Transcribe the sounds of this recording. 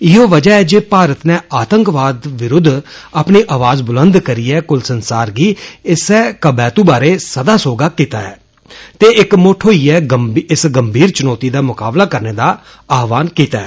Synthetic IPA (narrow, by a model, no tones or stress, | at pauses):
ɪɦoːʋəd͡ʒaːɛːd͡ʒeːpaːɾət̪nɛːaːt̪əŋkʋaːd̪ʋɪɾʊd̪ʱːaːpniːʔaːʋaːzbʊlənd̪kəɾiːɛːkʊlsənsaːɾɡiːɪsɛːkəbɛːt̪ũːbaːɾeːsəd̪aːsoːɡaːkiːt̪aːɛ̰ː | t̪eːʔɪkmoːʈʰoːiːɛːəmɪsɡəmbʱiːɾt͡ʃʊnɔːt̪iːd̪aːmʊkaːblaːkəɾneːd̪aː | aːʋaːnkiːt̪aːɛː